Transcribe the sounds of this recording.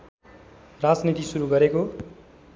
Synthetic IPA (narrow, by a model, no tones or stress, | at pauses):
rad͡znit̪isuɾuɡʌɾeko